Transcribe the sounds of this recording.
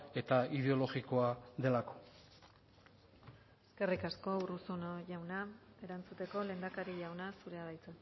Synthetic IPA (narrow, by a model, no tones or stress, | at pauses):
e̞t̪aiðe̞o̞lo̞ɣiko̞aðe̞lako̞̥ | eske̞rikasko̞urusunoʝawnae̞ɾant͡sut̪e̞ko̞le̞ːnd̪akaɾiʎawnasuɾe̞aɾajt͡sa